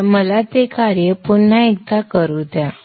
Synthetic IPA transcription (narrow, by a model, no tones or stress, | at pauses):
məlat̪ekaɾjəpuɳn̤ːaek̚t̪akəɾut̪ja